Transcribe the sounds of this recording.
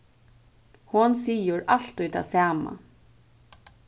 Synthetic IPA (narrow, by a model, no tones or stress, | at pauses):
hʊnsiːjəɾal̥t̪ʊjt̪ʰaːsæːma̰